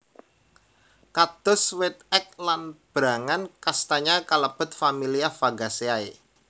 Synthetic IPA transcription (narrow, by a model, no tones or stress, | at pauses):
kat̪ʊswet̪̚ɛk̚lanb̥ɾa̤ŋankast̪aɲakələb̥ə̤t̪̚familiafaɡa̤seae